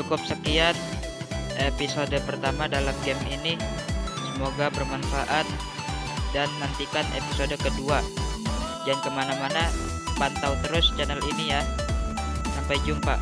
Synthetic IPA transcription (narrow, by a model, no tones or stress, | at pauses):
t͡ʃukʊp̚səkiat̪̚ | episodəpərt̪amadalamɡɛminisəmoɡabərmanfaʔat̪̚ | danːant̪ikanḛpisodəkədua | dankəmanamana | pant̪awt̪əɾʊst͡ʃɛnəlinija | sampajd͡ʒumpa